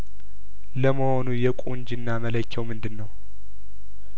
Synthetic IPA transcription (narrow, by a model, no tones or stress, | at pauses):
ləməho̞nujɛkʼuɲd͡ʒinːamələkʰːɛwmɨnd̪ɨnːəw